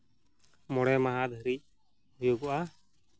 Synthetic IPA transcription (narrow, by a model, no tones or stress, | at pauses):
mɔɽɛmaɦad̪ʱəɾic̚ | ɦujuɡɔʔa